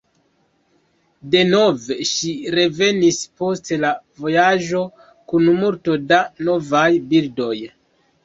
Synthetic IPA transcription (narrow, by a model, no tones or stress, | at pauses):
de̞no̞ve̞ʃiɾe̞ve̞nispo̞ste̞lavo̞jaʒo̞ | kunmuɾto̞dano̞vajbildo̞j